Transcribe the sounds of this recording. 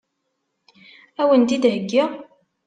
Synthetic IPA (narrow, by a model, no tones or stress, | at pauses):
æwənt̪id̪həɡːiʁ